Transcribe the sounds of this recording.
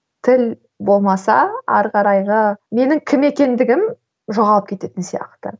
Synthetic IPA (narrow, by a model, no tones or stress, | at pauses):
t̪ʰɪl | bo̞lˠmɑsɑ̰æɾqɑɾɑjʁəme̞nɪŋkʲʰɪme̞kʲe̞nd̪ɪɡʲɪm | ʒoʁɑlˠəp̚kʲʰe̞t̪e̞t̪ɪnsijɑ̰qt̪ə̰